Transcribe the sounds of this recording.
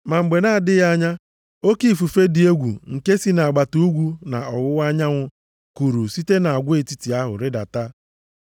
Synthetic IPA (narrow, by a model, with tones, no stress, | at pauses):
ma˨ŋ͡m̩˨ɡ͡be˨na˦˨dɪ˦ɣa˦ɲa˦ | o˦ki˦˨fu˨fe˦dɪ˨e˦ɡʷṵ˨ŋ̩˨ke˦si˦na˨a˨ɡ͡ba˨tu˦u˦ɡʷu˦na̰˨ɔ˨wʊ˦a˦ɲa˦ŋʷʊ˦ | ku˨ɾu˨si˦te˦na˨a˨ɡʷʊ˦e˨ti̥˦ti˨a˦ɦʊ̰˨ɾɪ˦da̰˨ta˦